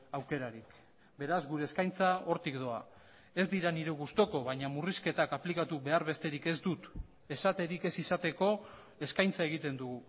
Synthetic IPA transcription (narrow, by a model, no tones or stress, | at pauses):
awke̞ɾaɾik | be̞ɾazɡuɾe̞ːskajnt͡sao̞ɾt̪ikd̪o̞a̰ | e̞zd̪iɾaniɾeɣust̪o̞ko̞βaɲamuriske̞t̪akaplikat̪uβe̞aɾβe̞st̪e̞ɾike̞zd̪ut̪ | e̞sat̪e̞ɾike̞sisat̪e̞ko̞ | e̞skajnt͡sae̞ɣ̞it̪e̞nd̪uɣu